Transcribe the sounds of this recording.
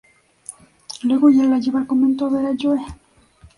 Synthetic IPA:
lweɣojalːad͡ʒeβalkoment̪oβeɾad͡ʒoe

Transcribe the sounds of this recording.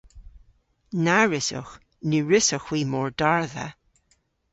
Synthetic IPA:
naɹɪsʊ̰x | nuːɹɪsəxwiːmɔːɹdaɹðə̰

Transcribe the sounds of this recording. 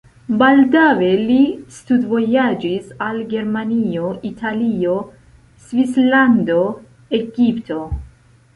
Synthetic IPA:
baldawe̞listudvo̞jad͡ʒisalɡe̞ɾmanio̞ʔitʰalio̞ | svislando̞ | e̞ɡipto̞

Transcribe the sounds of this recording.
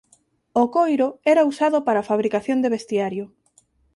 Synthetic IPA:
okojɾoɛɾausaðʊpaɾafaβ̞ɾikaθjond̪eβest̪iaɾjʊ

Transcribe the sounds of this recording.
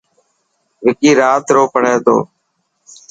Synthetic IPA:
ʋɪkiːɾaːt̪ɾoːpəɳeːt̪o̰ː

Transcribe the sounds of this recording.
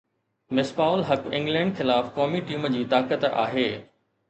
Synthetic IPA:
mɪspaːʊlɦɐkɪ̰̃ŋɡlɛ̃ːɳɖxɪlaːfkɔːmiʈiːmd͡ʑiːt̪aːkət̪a̰ːɦeː

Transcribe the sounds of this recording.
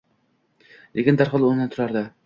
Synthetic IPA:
lekʲɪnd̪aɾχɒlˠond̪ant̪ʰʊɾaɾd̪ɪ

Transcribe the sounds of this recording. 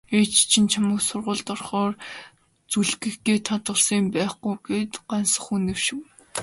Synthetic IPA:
et͡ɕt͡ɕʰĭnt͡ɕʰamə̆ksʊrʁʊːɮt̪ɔrχɔːr | t͡suɮɡɘ̆xɡ̪eːt̪ʰat̪wə̆rsiːmpæːχɡujɡeːt̪ɢansə̆χunĕwʃɪ̆w

